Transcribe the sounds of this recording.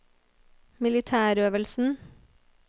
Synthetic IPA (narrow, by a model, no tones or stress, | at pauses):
mɪlɪt̪ʰæːɾøːʋəlsn̩